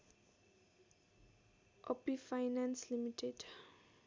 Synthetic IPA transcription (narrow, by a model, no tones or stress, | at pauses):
ʔɔpifajnãnslimitʰɛd